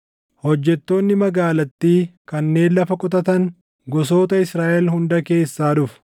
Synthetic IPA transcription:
hɔd͡ʒːɛt̪ːo̞ːnːɪmɐɡaːlɐt̪ːiːkɐnːe̞ːnlɐfɐkʼʊt̪ɐt̪ɐŋ | ɡɔso̞ːt̪ɐɪsɾaːʔɛlɦʊnd̪ɐke̞ːsːaːᶑʊf

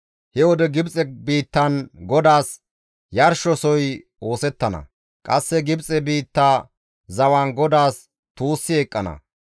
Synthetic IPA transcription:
hɛwɔd̪ɛɡɪbt͡sʼɛbiːt̪ːɐnɡɔd̪aːs | jɐɾʃɔsɔj | o̞ːsɛt̪ːɐnɐ̰ | kʼɐsːɛɡɪbt͡sʼɛbiːt̪ːaː | zɐwaːnɡɔd̪aːs | t̪uːsːɪɛkʼːɐnɐ̰

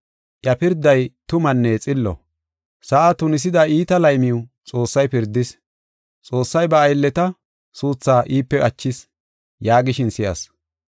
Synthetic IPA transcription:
ʔjɐpɪɾd̪ːɐjt̪ʊmɐnːɛt͡sʼɪlːɔ̰ | sɐʔat̪ʊnɪs̬ɪd̪ɐiːt̪ɐlɐjmɪʊt͡sʼo̞ːsːɐjpɪɾd̪ːɪs | t͡sʼo̞ːsːɐjbɐːjlːɛt̪ɐ | suːt͡sːaːʔiːpːɛʔɐt͡ʃːɪs | jaːɡɪʃɪnsɪjɐ̰s

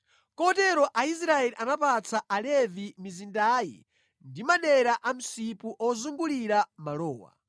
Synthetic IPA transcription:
kɔtɛɾɔʔais̬ɾaɛliʔanapat͡sʰaʔalɛvimizindaːjḭ | ndimaɗɛɾaʔam̩sipuʔɔzuŋɡuliɾamalɔːwa̰

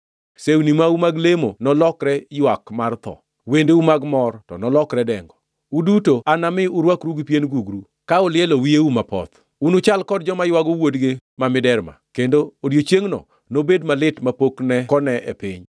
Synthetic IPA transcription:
seunimaumaɡlemonɔlɔkɾɛjwakmart̪ɔ̰ | wendeumaɡmɔrtɔ̰nɔlɔkɾɛdɛŋɡɔ | udutoanamɪʊɾwakɾuɡpjenɡuɡɾu | kaʊlɪɛlowieumapɔ̰t̪ | unʊt͡ʃalkɔdd͡ʒɔmajwaɡowodɡemamɪdɛɾma̰kendoodjot͡ʃjeŋnɔ̰ | nobedmalɪtmapoknɛkɔnɛʔḛpɪ̰ɲ

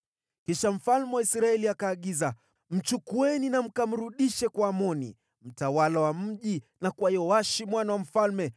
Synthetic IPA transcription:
kiʃam̩falmɛwaisɾaɛliakaːɠiza | m̩t͡ʃukuɛninam̩kam̩ɾuɗiʃɛkwaːmɔnḭ | m̩tawalawam̩ʄinakwajɔwaʃimwanawam̩falmɛ

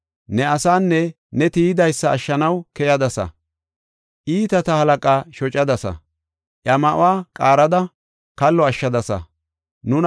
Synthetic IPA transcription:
nɛɐsaːnːɛ | nɛt̪iːɪd̪ɐjsːɐːʃːɐnɐwkɛjɐd̪ɐsɐ̰ | ʔiːt̪ɐt̪ɐhɐlɐkʼaːʃɔt͡ʃʼɐd̪ɐsɐ̰ | ʔjɐmɐʔʊ̰waːkʼaːɾɐd̪ɐ | kɐlːɔɐʃːɐd̪ɐsɐ̰ | nʊn

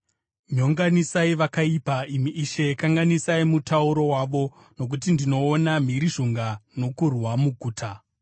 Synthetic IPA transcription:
ɲo̞ŋɡanisaiʋakaipaim̤iʔːʃe̞kaŋɡanisaimutʰauɾo̞waʋo̞ | no̞k̬ut̬indino̞ːnam̤iɾiʐoŋɡano̞kurwamuɡʱuːtʰa

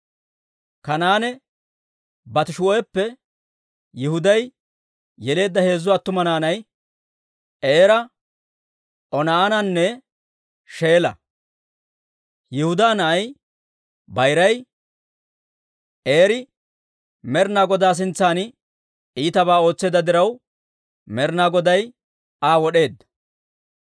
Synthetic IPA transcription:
kɐnaːnɛ | bɐt̪ɪʃʊɔɛpːɛ | jɪhʊd̪ɐj | jɛle̞ːd̪ːɐhe̞ːzːʊwaːt̪ːʊmɐnaːnɐj | eːɾɐ | ʔɔnaːnɐnːɛ | ʃe̞ːlɐ̰ | jɪhʊd̪aːnɐʔɐj | bɐjɾɐj | eːɾɪ | mɛɾnaːɡɔd̪aːs̬ɪnt͡sːaːn | iːt̪ɐbaːo̞ːt͡sːeːd̪ɐd̪ɪɾɐw | mɛɾnaːɡɔd̪ɐj | aːwɔɗe̞ːd̪ːɐ

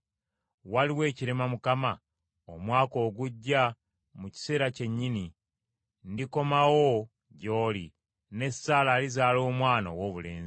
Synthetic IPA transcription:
waliwe̞ːciɾe̞mamukama | omwaːko̞ːɡuɟːa | muci̥se̞ːɾace̞ɲːini | ndiko̞mawo | ɟo̞ːli | ne̞saːlaːlizaːlo̞ːmwaːnawoβule̞̰ːnz

